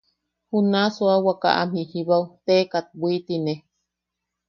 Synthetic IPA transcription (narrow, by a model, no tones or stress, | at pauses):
hunasuawaka̰ʔam̥ihiβawt̪ekat̪̚bwit̪ine